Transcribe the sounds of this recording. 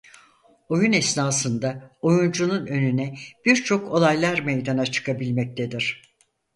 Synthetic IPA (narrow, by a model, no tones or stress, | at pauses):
o̞junɛsnaːsɯnd̪ao̞jund͡ʒununø̞nynɛb̥iɾt͡ʃʰo̞kʰo̞lˠajlˠaɾmejd̪anat͡ʃʰɯ̥kʰabilʲmɛc̚t̪ʰed̪iɾ̥